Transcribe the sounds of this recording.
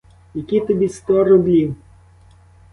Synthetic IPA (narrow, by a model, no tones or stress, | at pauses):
jɐkʲit̪ɔbʲist̪ɔɾɔblʲiw